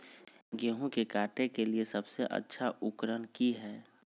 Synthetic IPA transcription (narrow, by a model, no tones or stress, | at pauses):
ɡeːɦũkekaːʈẽkeliesɐbseʔə̰tːʃʰaʔʊkɾənkiɦɛː